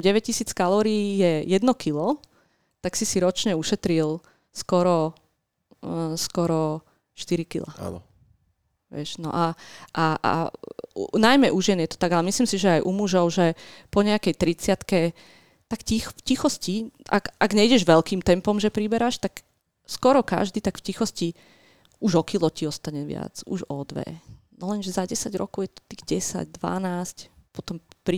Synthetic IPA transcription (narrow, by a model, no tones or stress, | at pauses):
ɟɛʋɛc̚cisiːt͡skalɔːɾiːjɛjɛd̪nɔkilɔ | t̪aksisiɾɔt͡ʃɲɛuʃɛt̪ɾil | skɔɾɔ | skɔɾɔ | ʃt̪iɾikḭla̰n | ʋɪɛʃnɔ̰ʔaʔaʔa̰unajmɛʔuʒjɛnjɛt̪ɔ̥t̪aɡalɛmisliːmsiʒɛajʔumuʒɔʊʒɛpɔɲɛakɛjt̪ɾit͡sɪat̪kɛ | t̪akcixfcixɔscia̰kʔaɡɲɛiɟɛʒʋɛlkiːmt̪ɛmpɔmʒɛpɾibɛɾaʃt̪ak | skɔɾɔka̰ʒd̪iːt̪akfcixɔsci | uʒɔkilɔciɔst̪aɲɛʋɪa̰d͡zṵʒɔd̪ʋɛ̰nɔlɛnʒɛzaɟɛsaɟɾɔkɔʊjɛt̪ɔ̥t̪iːɣɟɛsa̰ɟ̚d̪ʋa̰naːscpɔt̪ɔmpɾi